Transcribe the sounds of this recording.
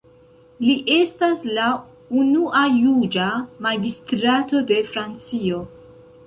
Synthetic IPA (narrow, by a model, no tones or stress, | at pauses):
liʔe̞stasla | unuʔajud͡ʒamaɡistɾato̞de̞fɾant͡sio̞